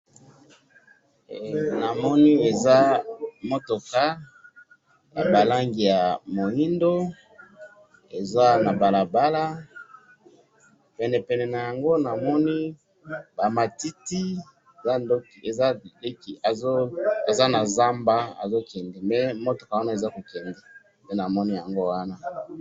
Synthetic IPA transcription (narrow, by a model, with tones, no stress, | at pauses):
na˨mɔ˦ni˦e˨za˦mo˦to˨ka˦ | ja˨ba˨la˦ŋɡi˨ja˨mo˨i˦ndo˦ | e˨za˦na˨ba˨la˨ba˦la˦ | pɛ˨nɛ˨pɛ˨nɛ˨na˨ja˨ŋɡo˦na˨mɔ˦ni˦ | ba˨ma˨ti˦ti˦ | e˨za˦ndo˦ke˨za˦le˦ki˨a˨zo˦e˨za˦na˨za˦mba˦a̰˨zo˦kʰɛ˨ndɛ˨mɛ˦mo˦to˨ka˨wa˦na˦e˨za˦ko˨kɛ˨ndɛ˨ | pe˦na˨mɔ˦ni˦ja˨ŋɡo˦wa˦na˦